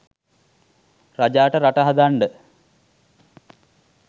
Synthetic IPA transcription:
rɐd͡ʑaːʈɐɾɐʈɐɦɐd̪aːɳɖɨ

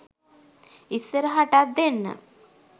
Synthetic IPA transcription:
isːəɾəɦaʈat̪̚d̪enːə̰

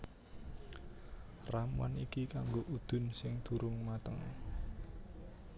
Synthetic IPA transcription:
rama̰nikikaŋɡoʔud̪̥ʊ̤nsɪŋd̪̥uɾʊŋmat̪əŋ

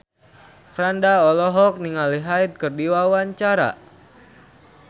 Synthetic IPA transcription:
fɾandaɔlɔɦɔk̚niŋaliɦait̪̚kərdiwawaɲt͡ʃaɾa̰

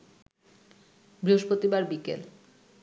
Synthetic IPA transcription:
bɾiɦoʃpɾot̪ibaɾbikḛl

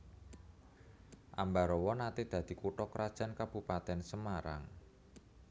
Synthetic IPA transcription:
ʔambaɾɔwɔnat̪ɪd̪̥ä̤d̪̥i̤kuʈɔkəɾʔad̥ʒ̥a̤nkab̥ṳpat̪ɛnsəmaɾa̰ŋ

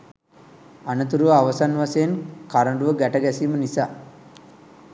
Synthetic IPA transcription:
anɐt̪̬uɾuʋɐaʋɐsanʋasejnkaɾəɳɖuʋəɡæʈɐɡɛsiːmənisa

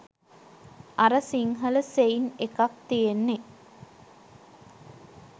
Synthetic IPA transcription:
aɾəsiŋɦələseinekak̚t̪ijenːe

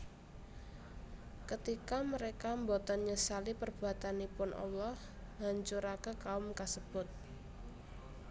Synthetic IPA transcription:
kət̪ikaməɾekambɔt̪ɔnɲəsalipərb̥ṳat̪anipʊnʔɔ̰lɔh | ɦaɲt͡ʃʊɾakəkaʊmkasəb̥ʊt̪̚

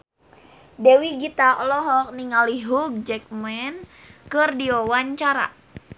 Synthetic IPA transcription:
dɛwiɡit̪aʔɔlɔɦɔk̚niŋaliɦuk̚d͡ʒɛk̚mɛnkɨrdiɔwaɲt͡ʃaɾa̰

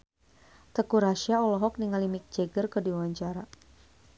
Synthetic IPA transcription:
t̪əkuɾaʃiaɔlɔɦɔk̚niŋalimik̚d͡ʒɛɡərkərdiwawaɲt͡ʃaɾa

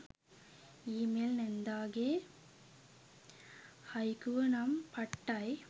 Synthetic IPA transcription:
iːmeːlnɛnd̪aːɣeː | hɐjkuʋɐnɐmpɐʈːaj

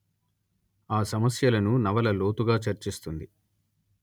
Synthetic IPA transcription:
aːsɐmɐsjɐlɐnunɐʋɐlɐlo̞ːt̪uɡaːt͡ʃɐɾt͡ʃist̪und̪i

